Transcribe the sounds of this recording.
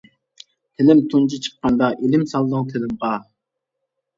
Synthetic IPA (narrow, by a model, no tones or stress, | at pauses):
t̪ʰɪlɪmt̪ʰunt͡ʃʰit͡ʃʰə̥qːɑnd̪ɑʔelɪmsɑlˠd̪əŋt̪ʰɪlɪmʁɑ